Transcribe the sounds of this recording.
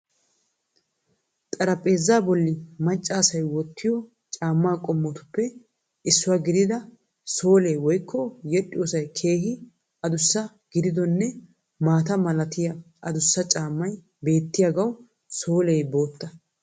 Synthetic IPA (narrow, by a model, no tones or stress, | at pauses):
t̪ʼɐɾɐpʼe̞ːzːaːbɔlːɪmɐt͡ʃʼːaːsɐjwɔt̪ːɪjɔ | t͡ʃʼaːmːaːkʼɔmːɔt̪ʊ̥pːɛ | ɪsːʊwaːɡɪd̪ɪd̪ɐ | so̞ːlejwɔjkʰːɔjɛɗʼːɪjoːsɐjkʰe̞ːhɪ | ɐd̪ʊsːɐ | ɡ̥ɪd̪ɪd̪ɔnːɛ | maːt̪ɐmɐlɐt̪ɪjɐ | ʔɐd̪ʊsːɐt͡ʃʼaːmːɐj | be̞ːt̪ːɪjaɡɐw | so̞ːlejbo̞ːt̪ːɐ